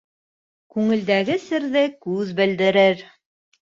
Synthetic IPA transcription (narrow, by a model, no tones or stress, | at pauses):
kʉŋɘ̆ld̪æɡɘsɘ̆ɾðɘkʉðbɘ̆ld̪ɘ̆ɾɘɾ